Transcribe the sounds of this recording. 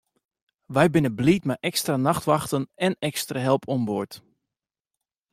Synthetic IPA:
ʋɛjbɪnəblitmɛʔɛkstranaxtʋɑxtənɛnɛkstraɦɛlˠpʰɔmbot

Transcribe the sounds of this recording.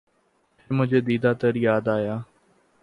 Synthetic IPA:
pʰɪɾmʊd͡ʒʱeːd̪iːd̪aːt̪əɾjaːd̪aːjaː

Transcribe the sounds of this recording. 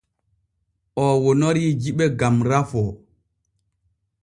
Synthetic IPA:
ʔɔwɔnoɾid͡ʒiɓɛɡamɾafɔ

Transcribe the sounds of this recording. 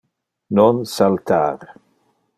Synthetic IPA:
nɔnsalt̪aːɾ

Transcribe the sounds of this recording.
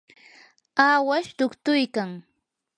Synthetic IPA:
aːwaʃt̪ʊkt̪ʊjkaŋ

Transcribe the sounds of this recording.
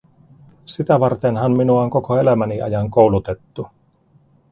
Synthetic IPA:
sit̪æʋɑrt̪enɦɑmminuɑŋko̞koe̞læmæniʔɑ̰jɑŋko̞wlut̪e̞t̪ːu

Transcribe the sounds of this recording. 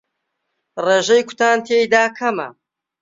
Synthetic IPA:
reːʒejkʷʰʊ̥t̪ʰaːnt̪ʰeːjd̪aːkʰɐmɐ̰

